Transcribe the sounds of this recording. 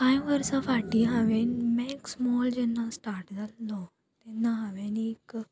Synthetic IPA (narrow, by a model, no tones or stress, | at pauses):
kãĩʋəɾsafaʈiɦaʋenmɛ̃ksmɔːld͡ʒɛnːãsʈaːɾʈd̪allɔ | t̪ɛnːãɦaʋenek